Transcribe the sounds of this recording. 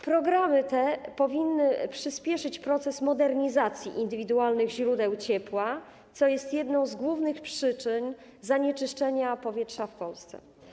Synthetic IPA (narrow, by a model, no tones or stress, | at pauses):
pɾɔɡɾamɘt̪ɛpɔvʲinːɘpʂɘspʲjɛʂɘt͡ɕpɾɔt̪sɛsmɔd̪ɛɾɲizat̪sʲjḭʔind̪ɘvʲid̪ualnɘɣʑɾud̪ɛwt͡ɕɛpwa | t̪sɔjɛst̪jɛd̪nɔ̃w̃zɡwuvnɘxpʂɘt͡ʂɘɲ | zaɲɛt͡ʂɘʂt͡ʂɛɲapɔvʲjɛtʂafpɔlst̪sɛ̰